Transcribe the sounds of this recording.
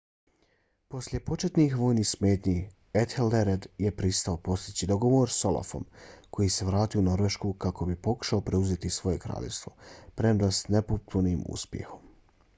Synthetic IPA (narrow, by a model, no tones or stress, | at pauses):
po̞slʲje̞po̞t͡ʃe̞t̪nixʋo̞ːjniːsme̞ːt̪ɲi | et̪xeld̪eɾed̪je̞pɾist̪aopo̞st̪it͡ɕid̪o̞ɡo̞ʋo̞ːɾso̞lˠa̰fo̞̰mkojise̞ʋɾaːt̪iono̞ɾʋe̞ʃkuːkako̞bipo̞ku̥ʃaopɾe̞uzet̪isʋo̞je̞kɾa̰ːʎḛst̪vo̞̰pɾemd̪asnepot̪puniːmṵspjḛxo̞m